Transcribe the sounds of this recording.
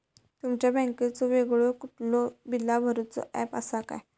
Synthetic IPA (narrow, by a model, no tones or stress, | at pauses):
t̪umt͡ɕjabɛ̃ŋket͡sɔʋeɡɭokuʈlɔbilːabʱəɾut͡sɔ̰ʔɛpəsaka̰j